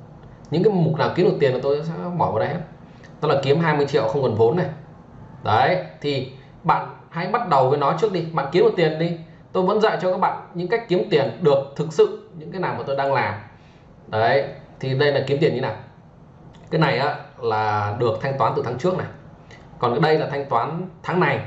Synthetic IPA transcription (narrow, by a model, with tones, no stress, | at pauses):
ɲɨ̰˧˥ŋkaː˨˦jmʊ˨˩naː˨˩wki˨˦əmo˨˩t̪i˨˩ənmaː˨˩t̪o˧jsɛ̰˧˥ɓɔ˧˩vəː˨˦ɗə˧jhe˧˦˥ | t̪o˨˦laː˨˩ki˨˦əmɦaː˧jmɨ˧əjt͡ɕḭ˧˨əwxə˧wŋ͡mkɔ˨˩nvo˨˦nːa˨˩j | ɗə˨˦jt̪ʰi˨˩ | ɓa̰ː˧˨n | ha̰˧˥jɓa˦˥t̚ɗə˨˩wvəː˨˦jnɔ˨˦t͡ɕɨ˦˥ək̚ɗi˧ɓa̰ː˧˨nki˨˦ənmo˨˩t̪i˨˩ənɗi˧ | t̪o˧jvə̰˧˥nza̰ː˧˨jt͡ɕɔ˧kaː˦˥k̚ɓa̰ː˧˨ɲɨ̰˧˥ŋka˦˥k̟̚ki˨˦əmt̪i˨˩ənɗɨ˨˩ək̚t̪ʰɨ˨˩k̚sɨ̰˧˨ɲɨ̰˧˥ŋkaː˨˦jnaː˨˩wma˨˩t̪o˧jɗaː˧ŋlaː˨˩m | ɗə˨˦t̪ʰi˨˩ɗə˧jlaː˨˩ki˨˦mt̪i˨˩əɲi˧naː˨˩ | kaː˨˦jna˨˩jʔaː˨˦laː˨˩ɗɨ˨˩ək̚t̪ʰa˧jŋ̟t̪waː˨˦nt̪ɨ˨˩t̪ʰːt͡ɕɨ˦˥ək̚na˨˩ | kɔ˨˩nkaː˨˦ɗə˧jlaː˨˩t̪ʰjŋ̟t̪waː˨˦nt̪ʰaː˨˦ŋna˨˩j